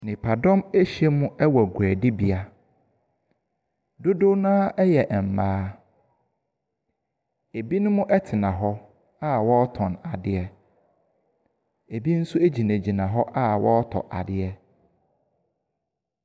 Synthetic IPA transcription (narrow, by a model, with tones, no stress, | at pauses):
nɪ̃˨pʰa˨dɔ̃˦me˦ɕi˨˦ɛ˦mʊ̃˦ɛ˦wɔ˨ɡu˨æ˨dɪ˦bi˨a˦ | do˦do˦nãː˦ɛ˦jɛ˨ʔm̩˨maː˦ | e˨bi˦nʊ̃˦mʊ̃˦ʔɛ˦tʰɪ˨nã˨ɦɔ˦ | a˦wɔ˦tʰɔ̃˨na˨dɪ˦ɛ˦ | e˨bi˦n̩˦sʊ˦e˦d͡ʑi˨næ̃˨d͡ʑi˨nã˨ɦɔ˦ʔa˦wɔ˦tʰɔ̰˨ʔa̰˨dɪ˦ɛ˦